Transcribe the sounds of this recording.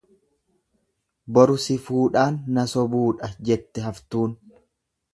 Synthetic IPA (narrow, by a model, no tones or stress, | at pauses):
bɔɾʊsɪfuːᶑaːnːɐsɔbuːᶑɐd͡ʒɛt̪ːɛhɐft̪uːn